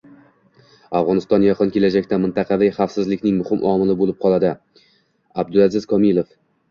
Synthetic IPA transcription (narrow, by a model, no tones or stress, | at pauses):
afʁɒnɪst̪ɒnjɑqʰɨnkʲʰe̞lad͡ʒakʲt̪amɪnt̪ɑqʰɑvɪχɑfsɪzlɪkʲnɪŋmʊhɪmʔɒmɪlɪbolɪp̚qʰɒlˠad̪ɪ | ab̚d̪ʊlazɪz̥kʰɒmɪlˠof